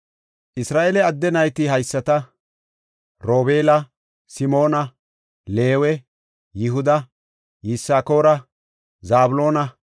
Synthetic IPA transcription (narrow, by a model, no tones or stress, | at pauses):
ʔɪsɾaːʔelɛɐd̪ːɛnɐjt̪ɪɦɐjsːɐt̪ɐ | ɾo̞ːbeːlɐ | sɪmo̞ːnɐ | leːwɛ | jɪɦʊd̪ɐ | jɪsːaːko̞ːɾɐ | zaːbʊlo̞ːnɐ